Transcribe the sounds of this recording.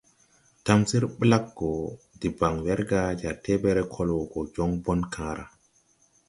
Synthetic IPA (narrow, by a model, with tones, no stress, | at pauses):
ta˦msi˦ɾɓla˦kːɔ˨ | di˨ba˨ŋwɛ˦ɾɡa˦d͡ʒa˨ɾtɛ˦bɛ˦ɾɛ˦kʰɔ˦lɔ˨ɡɔ˨d͡ʒɔ˦ŋbɔ˦nkʰãː˨˦ɾa̰˨